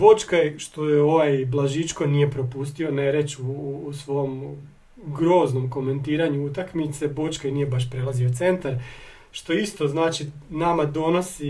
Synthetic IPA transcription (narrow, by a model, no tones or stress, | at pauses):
bo̞t͡ʃkajʃt̪o̞jeo̞ʋajblˠaʒit͡ʃko̞nije̞pɾo̞pust̪io̞ne̞ɾe̞t͡ʃuːsʋo̞jom | ɡɾo̞ːzno̞mko̞me̞nt̪iːɾaɲuut̪akmit̪se̞bo̞t͡ʃkajnije̞baʃ̬pɾe̞lˠazio̞t̪se̞nt̪aɾ | ʃt̪o̞ist̪o̞znaːt͡ʃinamad̪o̞no̞si